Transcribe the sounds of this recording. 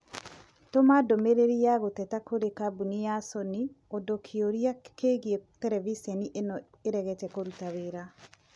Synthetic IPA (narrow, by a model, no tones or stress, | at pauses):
tomadomeɾeɾiaɣotɛtakʰoɾekabunijasɔni | odokʰioɾiakeɣietɛɾɛvisɛniʔenɔ | eɾɛɣɛtɛkoɾutaweɾa